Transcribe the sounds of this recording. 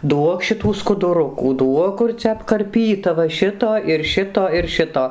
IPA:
ˈduɔk ʃʲɪˈtuː skʊdʊˈrʊkuː ˈduɔk ˈkʊr t͡sʲɛ ɐpkɐrʲˈpʲiːtɐ ʋɐ ˈʃʲɪtoː ɪr ˈʃʲɪtoː ɪr ˈʃʲɪtoː

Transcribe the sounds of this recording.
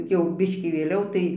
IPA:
jɛʊ ˈbʲɪʃʲkʲiː ʋʲeːˈlʲɛʊ tɐɪ

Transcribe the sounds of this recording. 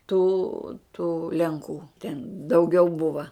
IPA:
tuː tuː lʲɛŋˈkuː tʲɛn dɐʊˈɡʲɛʊ ˈbʊʋɐ

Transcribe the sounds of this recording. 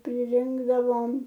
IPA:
pʲrʲɪˈrʲɪŋɡdɐʋoːm

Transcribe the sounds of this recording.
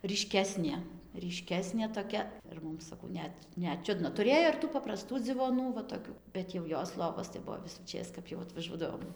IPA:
rʲiːˈʃʲkʲæːsʲnʲeː rʲiːˈʃʲkʲæːsʲnʲeː toːˈkʲɛ ɪr ˈmʊm sɐˈkɐʊ ˈnʲɛt ˈnʲɛt ˈt͡ʃʲʊdnɐ tʊˈrʲeːjoː ɪr tuː pɐprɐˈstuː d͡zʲɪʋoːˈnuː ʋɐ toːˈkʲuː bʲɛt jɛʊ ˈjoːs ˈlˠoːʋoːs tɐɪ ˈbʊʋoː ʋʲɪsuːˈt͡ʃʲeːs kɐp jɛʊ ɐtʋɐˈʒuɔdɐʋoːm

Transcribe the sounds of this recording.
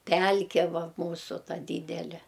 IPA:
ˈpʲælʲkʲɛ ˈʋɐ ˈmuːsʊ ˈtɐ ˈdʲiːdʲɛlʲɛ

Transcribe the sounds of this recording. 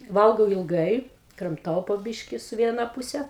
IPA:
ˈʋɐlˠɡɐʊ ɪlˠˈɡɐɪ krɐmˈtɐʊ poː ˈbʲɪʃʲkʲɪ sʊ ˈʋʲiɛnɐ ˈpʊsʲɛ

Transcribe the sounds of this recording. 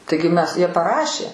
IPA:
ˈtɐɪɡʲɪ ˈmʲɛs ˈjiɛ pɐˈrɑːʃʲeː

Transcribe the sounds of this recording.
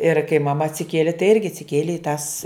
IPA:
ɪr kɐɪ mɐˈmɐ ɐtʲsʲɪˈkʲiɛlʲɪ tɐɪ ˈɪrʲɡʲɪ ɐtʲsʲɪˈkʲiɛlʲeː ɪ tɐs

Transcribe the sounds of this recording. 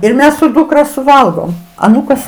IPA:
ɪr ˈmʲɛs sʊ ˈduːkrɐ sʊˈʋɐlˠɡoːm ɐˈnuːkɐs

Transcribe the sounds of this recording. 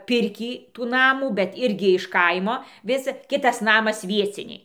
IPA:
ˈpʲɪrʲkʲiː tuː ˈnɑːmuː bʲɛt ˈɪrʲɡʲɪ ɪʃ ˈkɐɪmoː ˈʋʲɪs ˈkʲɪtɐs ˈnɑːmɐs ˈʋʲiɛt͡sʲɪnʲɛɪ

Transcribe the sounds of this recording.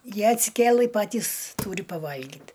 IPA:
ˈjiɛ ɐtʲsʲɪˈkʲeːlˠɨ ˈpɑːtʲiːs ˈtuːrʲɪ pɐˈʋɐlʲɡʲiːt

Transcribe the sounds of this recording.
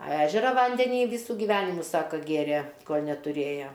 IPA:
ɐ ˈæːʒʲɛrɐ ˈʋɐnʲdʲɛnʲiː ˈʋʲiːsuː ɡʲɪˈʋʲæːnʲɪmʊ ˈsɑːkɐ ˈɡʲeːrʲeː ˈkoːlʲ nʲɛtʊˈrʲeːjɛ

